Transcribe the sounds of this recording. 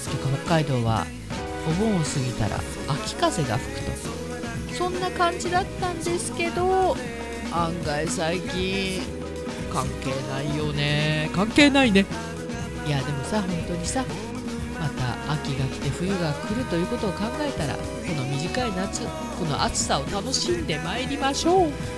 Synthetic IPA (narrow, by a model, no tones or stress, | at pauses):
skʲokːaɦo̞kːaid̪o̞ːβa̰ | obõ̞ɰ̃sɨɡʲit̪a̰ɾa̰ | akʲi̥kaze̞ɡa̰ɸɯ̟̥kɯ̟̥t̪o̞̰ | sõ̞nːakãɲ̟d͡ʑid̪at̪ːãnd̪e̞sɨ̥ke̞d̪o̞ | ãŋɡaisaikʲĩ | kãŋke̞ːnaijo̞ne̞kãŋke̞ːnaine̞ | jad̪e̞mo̞saɦõ̞nt̪o̞ɲ̟isa | mat̪a̰ʔːkʲiɡakʲi̥t̪e̞ɸɯ̟jɯ̟ɡakɯ̟ɾɯ̟t̪o̞jɯ̟ːko̞t̪o̞ːkãŋɡae̞t̪aɾa̰ | ko̞no̞mʲiʑikainat͡sɨ | ko̞no̞̰ʔat͡sɨ̥sao̞t̪ano̞ɕĩnd̪e̞maeɾʲimaɕo̞ː